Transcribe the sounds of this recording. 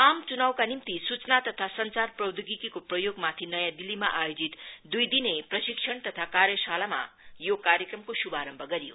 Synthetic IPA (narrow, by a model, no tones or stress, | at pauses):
amt͡sunawkanimt̪isut͡snat̪ʌt̪ʰasʌnt͡sarprʌwd̪ʱuɡikikoprʌjoɡmat̪ʰinʌjãd̪ilːimaʔajod͡zit̪d̪ujd̪ineprʌsik̚sʰʌɳt̪ʌt̪ʰakaɾjʌsalama̰ | jokaɾjekrʌmkosubaɾʌmbʱʌɡʌɾijo̰